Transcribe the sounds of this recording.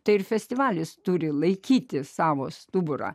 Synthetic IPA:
t̪ɐɪɪɾfʲɛsʲt̪ʲɪʋɑːlʲɪst̪ʊɾʲɪlˠɐɪkʲiːt̪ʲɪsɑːʋoːst̪ʊbʊɾɑ̰ː

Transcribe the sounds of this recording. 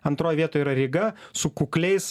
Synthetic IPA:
ɐnt̪ɾoːjʋʲiɛt̪oːjiːɾɐɾʲɪɡɐsʊkʊklʲɛɪs

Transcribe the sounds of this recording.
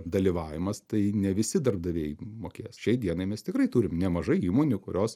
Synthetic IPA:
d̪ɐlʲiʋɑːʋʲɪmɐst̪ɐɪnʲɛʋʲɪsʲɪd̪ɐrbd̪ɐʋʲeːjmoːkʲeːjsʃʲɛɪd̪ʲiɛnɐɪmʲɛst̪ʲɪkɾɐɪt̪uːɾʲɪmnʲɛmɐʒɐɪiːmoːnʲʊkʊɾʲoːs

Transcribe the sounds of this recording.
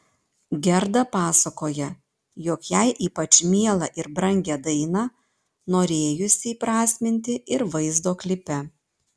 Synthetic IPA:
ɡʲɛɾd̪ɐpɑːsɐkoːjɛ | jokjæɪʔiːpɐt͡ʃʲmʲiɛlˠɐʔɪɾbɾɐŋʲɡʲɛd̪ɐɪnɑ | noːɾʲeːjʊsʲɪpɾɑːsʲmʲɪnʲt̪ʲɪʔɪɾʋɐɪzd̪oːklʲɪpʲɛ

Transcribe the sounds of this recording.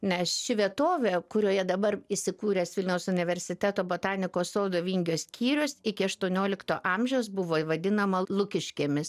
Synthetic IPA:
nʲɛsʃʲɪʋʲiɛt̪oːʋʲeːkʊɾʲoːjɛd̪ɐbɐrɪsʲɪkuːɾʲɛːsʋʲɪlʲnʲɛʊsʊnʲɪʋʲɛɾʲsʲɪt̪ʲæːt̪oːboːt̪ɑːnʲɪkoːsoːd̪oʋʲiːŋʲɡʲoːsʲkʲʰiːɾʲʊsɪkʲɪɐʃt̪uɔnʲoːlʲɪkt̪oːʔɑmʲʒʲɛʊsbʊʋoːiʋɐd̪ʲɪnɐmɐlˠʊkʲɪʃʲkʲeːmʲɪs

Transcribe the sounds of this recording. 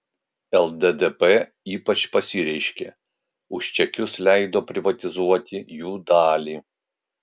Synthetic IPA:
ɛlˠd̪ʲɛd̪ɛpɛ | iːpɐt͡ʃpɐsʲiɾʲɛɪʃʲkʲeː | ʊʃt͡ʃʲɛkʲʊslʲæˑɪd̪oːpʲɾʲɪʋɐt̪ʲɪzuɔt̪ʲɪjuːd̪ɑːlʲiː

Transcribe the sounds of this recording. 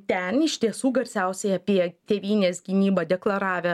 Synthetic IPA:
t̪ʲɛnɪʃʲt̪ʲiɛsuːɡɐɾʲsʲæʊsʲɛɪɐpʲiɛt̪ʲeːʋʲiːnʲeːsɡʲɪnʲiːbɐd̪ʲɛklˠɐɾɑːʋʲɛ

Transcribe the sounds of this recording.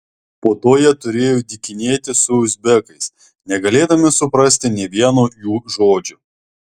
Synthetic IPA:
poːt̪oːjiɛt̪ʊɾʲeːjoːd̪ʲɪkʲɪnʲeːt̪ʲɪsʊʊzʲbʲɛkɐɪs | nʲɛɡɐlʲeːd̪ɐmʲɪsʊpɾɐsʲt̪ʲɪnʲeːʋʲiɛnoːjuːʒoːd͡ʒʲʊ

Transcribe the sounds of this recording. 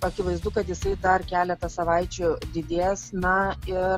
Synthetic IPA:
ɐkʲɪʋɐɪzd̪ʊkɐt̪jɪsɐɪd̪ɐrkʲæːlʲɛt̪ɐsɐʋɐɪt͡ʃʲʊd̪ʲɪd̪ʲeːsnɐɪ

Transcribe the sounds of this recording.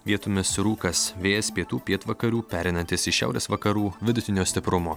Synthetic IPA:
ʋʲiɛt̪ʊmʲɪsɾuːkɐsʋʲeːjɛspʲiɛt̪uːpʲiɛt̪ʋɐkɐɾʲuːpʲæːɾʲɛɪnɐnʲt̪ʲɪsɪʃʲæ̰ˑʊɾʲḛːsʋɐkɐɾuːʋʲɪd̪ʊt̪ʲɪnʲoːsʲt̪ʲɪpɾʊmoː

